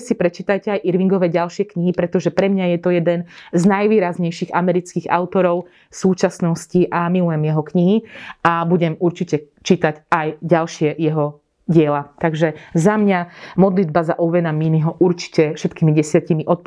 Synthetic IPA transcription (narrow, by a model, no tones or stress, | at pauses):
sipɾɛt͡ʃit̪ajcɛajʔiɾʋiŋɡɔʋɛɟalʃɪɛkɲiɦipɾɛt̪ɔʒɛpɾɛmɲajɛt̪ɔjɛd̪ɛnznajʋiːɾazɲɛjʃiɣamɛɾit͡skiɣa̰ʊt̪ɔɾɔʊ | suːt͡ʃasnɔsciʔamilujɛmjɛɦɔkɲiɦiabuɟɛmuɾt͡ʃicɛ | t͡ʃit̪acajɟalʃɪɛjɛɦɔ | ɟɪɛlat̪aɡʒɛzamɲamɔd̪lid̪̚bazaʔɔʋɛnaminiɦɔʔuɾt͡ʃi̥cɛfʃɛt̪kiːmiɟɛsɪacimiʔɔt̪̚p